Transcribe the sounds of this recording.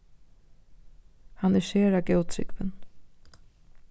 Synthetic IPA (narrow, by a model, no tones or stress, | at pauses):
hanæɾʃeːɾaɡɛwt̪ʰɾɪ̰kvɪn